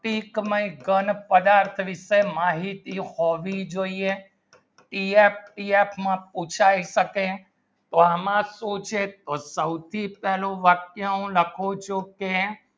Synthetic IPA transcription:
ʈikməiɡənpəd̪aɾt̪ʰʋɪʃemaɦit̪ihoʋid͡ʒoie | ʈiep̚ʰʈiepʰmãput͡ʃʰaiʃəke | t̪oamãsot͡ʃʰet̪osəwt̪ʰipɛɦloʋakjəũləkʰot͡ʃʰoke

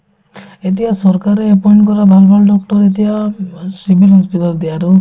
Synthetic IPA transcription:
etijasɔɾkaɾeepɔjɳʈkɔɾabʱalbʱalɖɔk̚ʈɔɾet̬ijasibʱilɦɔspitald̪ijaɾu

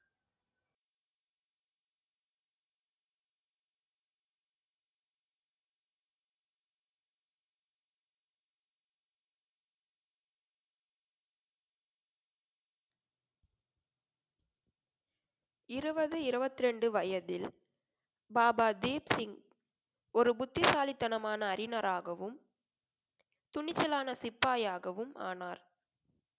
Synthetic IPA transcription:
ɪɾɯbɐðɯɪɾɯbɐt̪ːɪɾɛɳɖɯʋɐjɐðɪl | baːbaːd̪eːpsɪŋɡ | ɔɾɯbʊt̪ːɪsaːlɪt̪ːɐnɐmaːnɐːɾɪnɐɾʔaːɣɐʋɯm | t̪ʊɳɪt͡ʃːɐlaːnɐsɪpːaːjaːɣɐʋɯmʔa̰ːnaːɾ

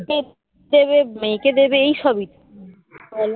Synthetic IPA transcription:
e | d̪ebemejked̪ebeejʃɔbit̪

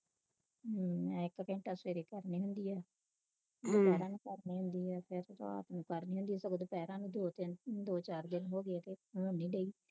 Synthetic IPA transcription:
mɛ̃ːɪkkɛ̃ːɳʈaːseːɾiːkəɾniːɦʊnd̪iːɛː | mːpɛːɾãːnũkəɾniːɦʊnd̪iːɛːpʰɪɾt̪o̰ːa̰ːt̪nũːkəɾniːɦʊnd̪iːɛːsəkod̪oːpɛːɾãːnũːd̪oːt̪ɪnd̪oːt͡ʃaːɾd̪ɪnɦoːɡɪeːt̪eːoːniːɖeːiː

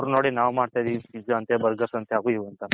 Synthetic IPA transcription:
ɾnoːɽinaːʋmaːɽt̪ajd̪iid͡ʒɐnt̪ebɐɾɡɐsɐnt̪ʰeaːɡuiʋɐnt̪ɐ

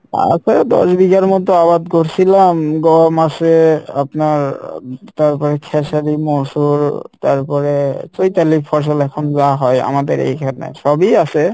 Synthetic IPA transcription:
a̰kʰɔd̪ɔ̰sbiɡaɾmɔd̪oabad̪koɾsʰilamɡɔmasea̰pnaɾt̪aɹpɔɾekʰɛsaɾimosuɾt̪aɾpɔɾet͡ʃojt̪alipʰɔs̬ɔlɛkʰɔnzaɦɔja̰mad̪eɾḛjkʰana̰jʃɔbiase

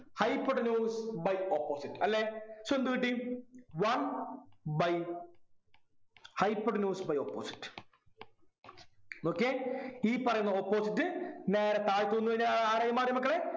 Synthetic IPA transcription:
hɐjpːɐʈːnjuːsbɐjopːoːsiʈːɨ̥ɐlːesɐnd̪uʋiʈːiwɐn | bɐj | hɐjpːoɖnjuːsbɐjopːo̰ːsi̥ʈːɨ̥ | okːeiːpɐrɐjunːɐopːoːsiʈːɨneːɾɐt̪aːɻit̪ːoːnːuʋɐɲːaːaaːɾajimaːd̪jɐmɐkːɐɭe

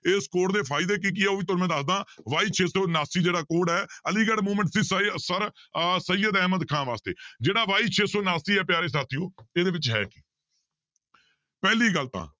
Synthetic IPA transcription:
eːskoːʈd̪eːpʰaːɪd̪eːk̬ik̬ɪɛːoːʋiːt̪̬ʊnːmɛ̃ːd̪əsd̪ãːʋaːiːt͡ʃʰeːsoːnaːsiːd͡ʒeːɽaːkoːɽɛːəliːɡəɽmuːmə̃ɳʈsiːssəɾsəjəd̪ɛːməd̪kʰãːnʋaːst̪ḛːd͡ʒeːɽaːʋaːiːt͡ʃʰeːsoːnaːsiːɛːpjaːɾeːs̬aːt̪ʰɪjõːeːd̪eːʋɪt͡ʃɦɛ̰ːki̥ː | pɛːliːɡəlt̪ã̰ː

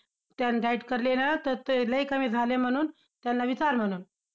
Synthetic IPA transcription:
t̪jandʱaiʈkəɾlenat̪əɾt̪eləikəmiːd͡zʱalem̤əɽ̃uːn | t̪janːaʋit͡ɕaɾm̤əɽ̃uːn

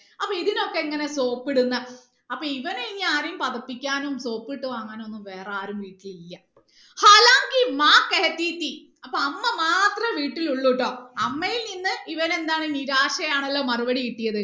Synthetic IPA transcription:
ɐpːoiðino̞kːeiŋːɐne̞so̞ːpːiɽunːɐ | ɐpːoːiʋɐneiɲːaːɾijumpɐðɐpːikʲːaːnumso̞ːpːiʈːuʋaːŋːaːnonːumʋe̞ːraːɾumʋiːʈːililːɐ | haːlaːŋɡimaːkːeɐt̪ːiːt̪ːi | ɐpːoɐmːɐmaːt̪rɐmʋiːʈːiluɭːuʈːo̞ːɐmːɐjilninːɨʔiʋɐne̞nd̪aːɳɨniɾaːʂɐjaːɳɐlːo̞ːmɐruʋɐɽikiʈːijɐðɨ

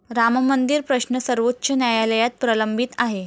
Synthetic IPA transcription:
ɾammənd̪iːɾpɾəɕnəsəɾʋot̪ːt͡ɕənjajaləjat̪̚pɾələmbʱit̪aɦe

